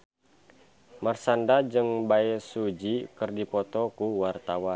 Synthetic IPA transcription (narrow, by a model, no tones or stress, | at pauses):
marsandad͡ʒɨŋbaɛsud͡ʒikərdipɔt̪ɔkuwart̪awan